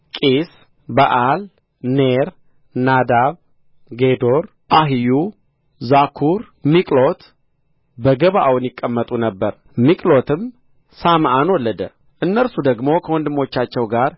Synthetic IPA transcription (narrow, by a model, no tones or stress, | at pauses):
kʼis | baʔal | neɾ | nad̪aβ | ɡe̞d̪o̞ɾ | ʔaɦiju | zakʰuɾ | mikʼlo̞t̪ | bəɡəβaʔawnjɪkʼːəmːət̪ʼunəbːəɾ | mikʼlo̞t̪ʰɨm | samʔanwɔlːəd̪ə̰ | ʔɨnːəlsud̪əɡmo̞kʰəwɔnd̪ɨmːo̞t͡ʃːat͡ʃːɛwɡaɾ